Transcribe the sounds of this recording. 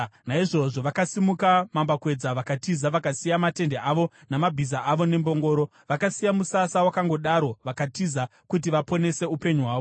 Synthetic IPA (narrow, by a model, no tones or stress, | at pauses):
naiʐo̞ʐo̞ʋakasimukamambakwe̞d͡zaʋakatizaʋakasijamate̞ndeʔaʋo̞ | namabʱizaʔaʋo̞ne̞mbo̞ŋɡo̞ːɾo̞ | ʋakasijamusasawakaŋɡo̞ɗaɾo̞ʋakatiza | kut̬iʋapo̞ne̞se̞upe̞ɲuɦwaːʋo